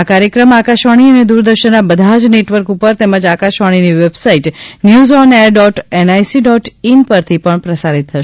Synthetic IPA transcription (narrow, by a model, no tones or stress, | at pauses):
akaɾjəkɾəmakaʃʋaɽ̃iəned̪uɾd̪əɾʃənːabəd̪ʱad͡ʒneʈʋəɾkupəɾt̪ɛməd͡ʒakaʃʋaɽ̃iniʋebsaiʈnjuzɔneɾɖɔʈenajsiɖɔʈinpəɾt̪ʰipəɳpɾəsaɾit̪ʰːəʃ